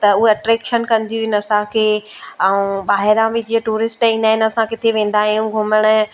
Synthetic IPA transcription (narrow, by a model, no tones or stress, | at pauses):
t̪ɐʊɦeɐʈɾeːkʃənkɐ̃nd̪ijuɦɪnɐsãkʰeː | aũɓaːɦɪɾãbʱɪd͡ʑiəʈuːɾɪsʈĩːnd̪aːɦɪnɐsãkɪt̪ʰeʋẽːn̆d̪aːɦijũɡʱʊməɽ̃ʊ